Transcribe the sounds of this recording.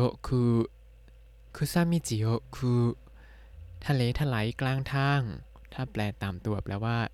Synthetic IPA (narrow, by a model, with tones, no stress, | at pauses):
o˦kʰɯː˧ | kʰɯː˧saː˥˩mːiː˧˥˩t͡ɕi˨˩˦o˦kʰɯː˧ | t̪ʰa˧leː˨˦t̪ʰa˧la˩˦jklaː˧˥˩ŋt̪ʰaː˥˩ŋ | t̪ʰaː˥˩plɛː˨˩t̪aː˨˩mt̪u˨˩əp̚lɛ̰ː˦˧˥waː˥˩